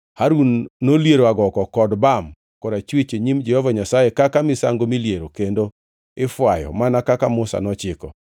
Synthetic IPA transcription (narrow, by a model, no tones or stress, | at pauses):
haɾunːoljeɾoaɡɔkɔkɔdbam | kɔɾat͡ʃwit͡ʃeɲimd͡ʒɛhɔvaɲasajekakamɪsaŋɡomiljeɾokendo | ɪfwajɔ̰manakakamʊsa̰nɔt͡ʃɪkɔ̰